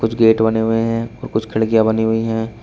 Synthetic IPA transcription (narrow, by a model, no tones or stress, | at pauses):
kʊt͡ʃʰɡeːʈbɐneɦʊeɦɛ̃ɔːɾkʊt͡ʃʰkʰɪɭkijabɐniɦʊiɦɛ̃ː